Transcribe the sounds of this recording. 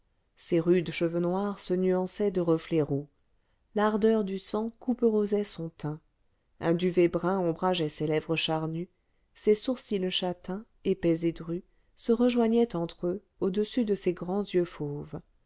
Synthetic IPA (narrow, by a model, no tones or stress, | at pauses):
seʁyd̪ʃəvənwaʁsənyɑ̃sɛd̪əʁəflɛʁo | laʁd̪œʁd̪ysɑ̃kupəʁozɛsɔ̃t̪ɛ̃ | ɛ̃d̪yvɛbʁɛ̃ɔ̃bʁaʒɛselɛvʁəʃaʁny | sesuʁsiləʃat̪ɛ̃ | epɛzed̪ʁy | səʁəʒwaɲɛt̪ɑ̃t̪χø | od̪əsyd̪əseɡʁɑ̃zjøfov